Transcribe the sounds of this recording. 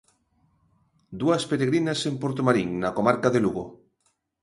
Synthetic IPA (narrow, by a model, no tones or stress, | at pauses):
d̪uɐspeɾeɣɾinasempoɾt̪omaɾiŋnakomaɾkaðeluɣo